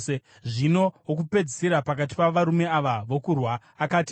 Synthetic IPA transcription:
e | ʐino̞wok̬upe̞d͡ziseɾapakati̥paʋaɾume̞aʋaʋo̞kurwaːkaːti

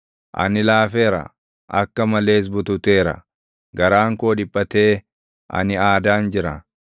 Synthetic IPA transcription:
ʔɐ̰nɪlaːfe̞ːɾɐ̰ | ʔɐkːɐmɐle̞ːs̬bʊt̪ʊt̪eːɾɐ̰ | ɡɐɾaːŋkoːᶑɪpʼːɐt̪eː | ʔɐ̰nɪaːd̪aːnd͡ʒɪɾɐ̰

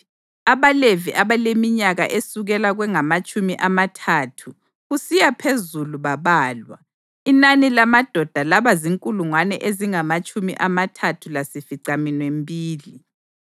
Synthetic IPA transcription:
aβaleviʔaβalemiɲaɣa̰ʔesuɣɛlaɣwɛŋamat͡ʃʼumiʔamatʰatʰu | ɣusijapʰezuluβaβaːlwa̰ | inanilamad̥ʱɔd̥ʱalaβaziŋkʼuluŋwanɛ̰ʔeziŋamat͡ʃʼumiʔamatʰatʰulasifiǀaminwembʱiːli

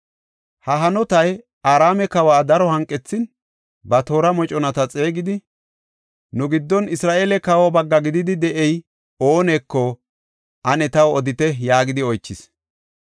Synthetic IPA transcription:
hɐɦɐnɔt̪ɐj | aːɾaːmɛkɐwaːd̪ɐɾɔhɐŋkʼːɛt͡sːɪn | bɐt̪o̞ːɾɐmɔt͡ʃʼɔnɐt̪ɐt͡sʼe̞ːɡɪd̪ɪ | nʊɡɪd̪ːɔnɪsɾaːʔeːlɛkɐwɔbɐɡːɐɡɪd̪ɪd̪ɪd̪ɛʔɛj | oːneːkːɔ | ʔɐnɛt̪ɐwɔd̪ɪt̪ɛjaːɡɪd̪ɪɔjt͡ʃːɪs

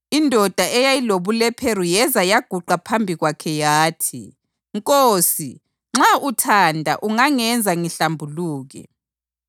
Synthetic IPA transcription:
indʱɔd̥ʱaʔɛjajiloβulɛpʰerujɛzajaɡ̥ʱuǃapʰambʱiɣwakʰɛjaːtʰi | ŋkʼoːsi | ŋ͡ǁautʰandʱa̰ʔuŋaŋɛnd͡zʱaŋiɬambʱuluːɣɛ̰

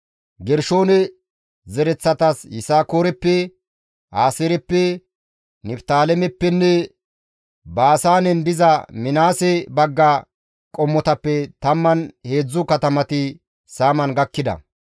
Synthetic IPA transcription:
ɡɛɾʃo̞ːnɛ | zɛɾɛt͡sːɐt̪ɐsjɪsaːkoːɾɛpːɛ | aːsɛɾɛpːɛ | nɪpt̪aːlɛmɛpːɛnːɛ | baːsaːnɛnd̪ɪzɐmɪnaːsɛbɐɡːɐ | kʼɔmːɔt̪ɐpːɛt̪ɐmːɐnhe̞ːd͡zːʊkɐt̪ɐmɐt̪ɪ | saːmɐnɡɐkːɪd̪ɐ̰

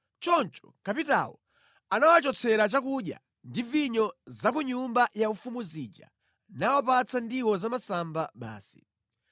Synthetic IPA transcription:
t͡ʃɔnt͡ʃɔ̥kapita̰wɔ̰ | anawat͡ʃɔt͡sʰɛɾat͡ʃakuɗja̰ | ndiviɲɔzakuɲumbajaufumuzid͡ʒa̰ | nawɔpat͡sʰandiwɔzamasambaɓa̰ːsi̥̰

